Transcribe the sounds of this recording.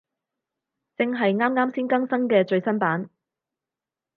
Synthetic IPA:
t͡sɪ˧ŋɦɐ˨jŋaː˥mŋaː˥msiː˥nkɐ˥ŋsɐ˥ŋkɛː˧t͡ʃɵ˧ɥsɐ˥npaː˨˥n

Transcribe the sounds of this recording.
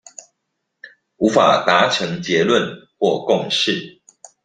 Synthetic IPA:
u˨˦fa̰˨˩t̪a˧˦ʈ͡ʂʰɤ˧˦ŋt͡ɕjɛ˨˦lwə˥˨nxwɔ˥˨kʊ˥˨ŋʂɻ̩˥˨

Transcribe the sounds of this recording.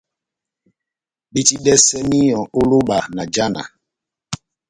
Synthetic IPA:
bi˦ti˦dɛ˦sɛ˦mi˦jɔ̃˨ʔu˦lu˦ɓa˨na˨d͡ʒa˦na̰˨

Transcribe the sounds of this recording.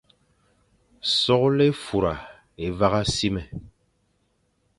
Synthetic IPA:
sɔ˦klɛ˦fu˨ɾa˨ | e˨va˦ɣa˦si˦mɛ˨

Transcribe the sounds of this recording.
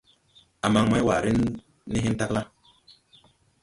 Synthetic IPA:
a˨ma˨ŋma˦jwa˨ɾi˦nː | i˦ɦi˦n˦ta˦kla˦

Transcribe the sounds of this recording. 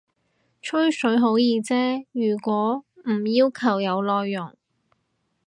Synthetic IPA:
t͡ʃʰɵ˥ɥsɵ˨˥ɥɦo˨˥wjiː˧t͡sɛː˥jyː˨˩kʷɔː˨˥m̩˨˩jiː˥wkʰɐ˨˩wjɐ˨˧wlɔː˧jːʊ˨˩ŋ

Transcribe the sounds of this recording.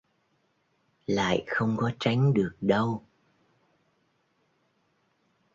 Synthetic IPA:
la̰ː˧˨jxə˧wŋ͡mkɔ˨˦t͡ɕa˨˦jŋ̟ɗɨ˨˩ək̚ɗə˧w

